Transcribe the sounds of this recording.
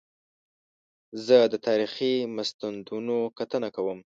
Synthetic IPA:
zəd̪ət̪ɑɾiximast̪and̪unokat̪ənakawəm

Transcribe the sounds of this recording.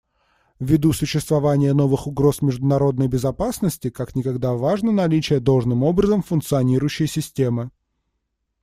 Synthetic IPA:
vʲːɪd̪usʊɕːɪst̪vɐvanʲɪjəno̞vɨxʊɡɾo̞smʲɪʐd̪ʊnɐɾo̞d̪nəjbʲɪzɐpasnəsʲtʲɪkaknʲɪkɐɡd̪avaʐnənɐlʲit͡ɕɪjəd̪olˠʐnɨmo̞bɾəzəmfʊnkt̪sɨɐnʲiɾʊjʉɕːɪjsʲɪsʲtʲe̞mɨ

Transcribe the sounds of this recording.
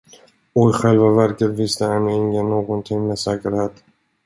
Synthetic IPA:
ɔjɧɛlvavæɾkət̪vɪst̪əɛmɪŋənoːɡɔnt̪ʰɪŋmeːsɛːkəɾheːt̪

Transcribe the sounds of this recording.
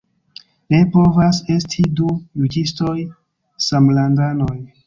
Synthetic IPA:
ne̞po̞vase̞stʰidujud͡ʒisto̞j | samlandano̞j

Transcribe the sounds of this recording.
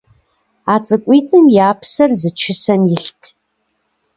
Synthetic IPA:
aːt͡sʼɨkʷʼiːtʼɨmjaːpʰsɐrzɨt͡ʃʰɪsɐmjɪɬtʰ

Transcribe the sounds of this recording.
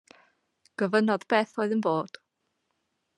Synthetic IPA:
ɡ̥əvənɔðbeːθoːɨðənboːd̥

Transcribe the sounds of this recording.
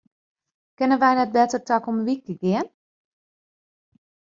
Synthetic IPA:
kɪnənʋɛjnɛt̚bɛtərtakoməʋik̚əɡɪən

